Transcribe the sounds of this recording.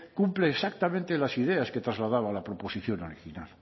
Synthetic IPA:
kumpleːsak̚t̪amẽnt̪elasiðeasket̪ɾazlaðaβalapɾoposiθjonoɾixina̰l

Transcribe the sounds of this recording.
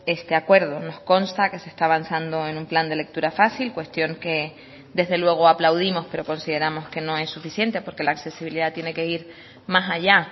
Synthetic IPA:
e̞st̪e̞akwe̞ɾðo̞no̞sko̞nst̪ake̞sest̪aːβansand̪o̞e̞numpland̪e̞le̞k̚t̪uɾafasilkwe̞st̪jo̞ŋke̞ | d̪e̞zðe̞lwe̞ɣ̞o̞aplawðimo̞spe̞ɾo̞ko̞nsiðe̞ɾamo̞ske̞nõ̞e̞sːufisje̞nt̪e̞po̞ɾke̞laːkse̞siβiliðat̪je̞ne̞ke̞iɾ | masaʎa

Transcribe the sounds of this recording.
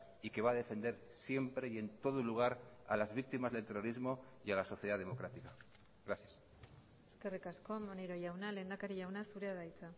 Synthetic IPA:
ike̞βaːðe̞fe̞nd̪e̞ɾ | sje̞mpɾe̞je̞nt̪o̞ð̞oluɣ̞aɾa̰lazβik̚t̪imazðe̞lt̪eroɾizmo̞jalaso̞θjeðaðe̞mo̞kɾat̪ika | ɣɾaθjas | eske̞rikasko̞moneɾo̞ʝawnale̞nd̪akaɾiʝawnasuɾe̞aðajt͡sa

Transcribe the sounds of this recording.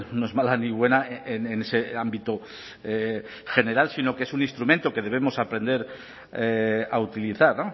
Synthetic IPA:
noe̞zmalaniβ̞we̞naenene̞seambit̪o | e | xe̞ne̞ɾalsino̞keesunĩnst̪ɾument̪oke̞ð̞e̞β̞e̞mo̞sapɾe̞nd̪e̞ɾ | eaut̪iliθaɾno̞

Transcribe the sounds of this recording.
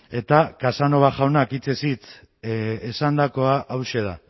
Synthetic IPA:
e̞t̪akasano̞βaʝawnakit͡se̞sit͡s̪ | esand̪ako̞aʔːwʃe̞ða

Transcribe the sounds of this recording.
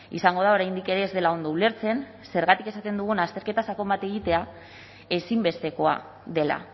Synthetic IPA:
ḭsaŋɡo̞ð̞ao̞ɾajnd̪ike̞ɾe̞ːzðe̞lao̞nd̪oule̞ɾt͡se̞n | se̞ɾɣat̪ike̞sat̪e̞nd̪uɣ̞unast̪e̞ɾke̞t̪asako̞mbat̪e̞ɣ̞it̪e̞a | e̞simbe̞st̪e̞ko̞a | ðe̞la̰

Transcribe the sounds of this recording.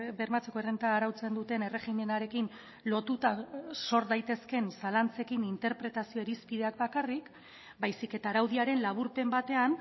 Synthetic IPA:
be̞ɾmat͡se̞koerent̪aːɾawt͡se̞nd̪ut̪e̞ne̞re̞ɣinenaɾe̞kin | lo̞t̪ut̪aso̞ɾðajt̪e̞ske̞nsalant͡se̞kinint̪e̞ɾpɾe̞t̪asio̞eɾispiðe̞ak̚bakarik | bajsike̞t̪aːɾawðiaɾe̞nlaβ̞uɾpe̞mbat̪e̞an

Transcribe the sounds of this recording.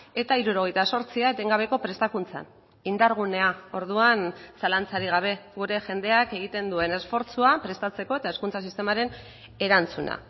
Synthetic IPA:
e̞t̪aiɾuɾo̞ɣ̞e̞jt̪aso̞ɾt͡siaet̪e̞ŋɡaβ̞e̞ko̞pɾe̞st̪akunt͡sa̰n | ind̪aɾɣ̞une̞ao̞ɾð̞uansalant͡saɾiɣ̞aβ̞e̞ɣuɾe̞ʝe̞nd̪e̞ake̞ɣ̞it̪e̞nd̪ue̞ne̞sfo̞ɾt͡suapɾe̞st̪at͡se̞ko̞e̞t̪ae̞skunt͡sas̬ist̪e̞maɾe̞n | e̞ɾant͡suna̰

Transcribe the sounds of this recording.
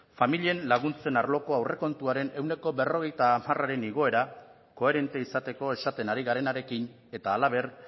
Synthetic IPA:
familienlaɣ̞unt͡se̞naɾlo̞ko̞awre̞ko̞nt̪uaɾe̞ne̞wne̞ko̞be̞ro̞ɣ̞e̞jt̪aːmaraɾe̞niɣ̞o̞e̞ɾa | ko̞e̞ɾe̞nt̪eisat̪e̞ko̞e̞sat̪e̞naɾiɣ̞aɾe̞naɾe̞kin | e̞t̪aːlaβ̞e̞r

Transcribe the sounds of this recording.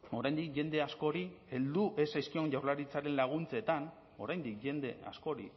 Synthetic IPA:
o̞ɾajnd̪ikʝe̞nd̪e̞asko̞ɾie̞ld̪uʔe̞sajskio̞nʝawɾlaɾit͡saɾe̞nlaɣ̞unt͡se̞t̪an | o̞̰ɾajnd̪ikʝe̞nd̪e̞̰a̰sko̞ɾḭ

